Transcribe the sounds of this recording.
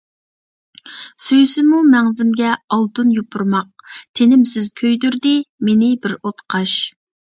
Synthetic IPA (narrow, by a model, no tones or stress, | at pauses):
søjsɪmumɛŋzɪmɡʲɛɑlˠt̪unjupʰuɾmɑq̚t̪ʰenɪmsɪzkʲʰøjd̪yɾd̪ɪmenɪbɪɾot̪qʰɑʃ